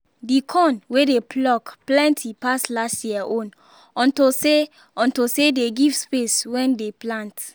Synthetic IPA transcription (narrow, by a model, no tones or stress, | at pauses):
dikʰɔ̃nwedeplɔkplɛ̃ntʰipaslastjiaʔõn | ɔ̃ntose | ɔ̃ntosedeɡiv̥speswɛ̃ndeplãnt